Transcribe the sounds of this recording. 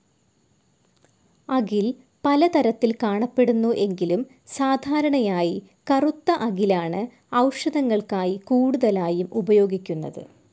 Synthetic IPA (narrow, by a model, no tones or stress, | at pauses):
ɐɡil | pɐlɐt̪ɐɾɐt̪ːilkaːɳɐpːe̞ɽunːuʔe̞ŋɡilum | saːd̪ʱaːɾɐɳɐjaːji | kɐrut̪ːɐʔɐɡilaːɳɨ | ɐwʂɐðɐŋːɐɭkaːjikuːɽuðɐlaːjumʔubɐjo̞ːɡikʲːunːɐ̰ðɨ̰